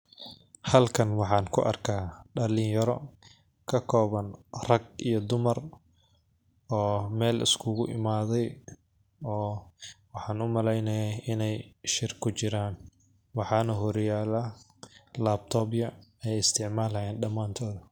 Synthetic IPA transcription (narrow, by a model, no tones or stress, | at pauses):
hɐlkʰɐnwɑħɑːnkʰʊ̰ʔɐ̰rkʰaːɖɐlɪŋjɐɾɔ | kʰɐkʰɔːβɐnrɐɡijɞd̪ʊmɐr | ɔːmɛːlɪ̰skʰʊɣʊʔɪ̰maːðɛj | ɔːwɑħɑːnʊmɐlɛjnɐjaʔɪnɛjʃɪrkʰʊt͡ʃɪɾaːn | wɑħɑːnɐɦʊɾjaːla | laːb̚t̪ʰɔːbjɐɛjjɪst̪ʰɪʕmaːlɐjɛːnɖɐmːaːnt̪ʰɔːðɐ